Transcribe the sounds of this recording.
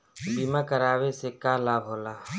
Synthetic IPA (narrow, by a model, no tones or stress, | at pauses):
biːmakəɾaːwesekaːlaːbʱɦoːlaː